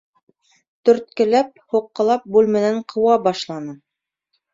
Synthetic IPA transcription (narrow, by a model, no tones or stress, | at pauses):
t̪ɵ̆ɾt̪̚kɘ̆læp̚huqːɤ̆lˠɑp̚bʉlmɘ̆næɴqʰɤ̆wɑbɑʃlˠɑnɤ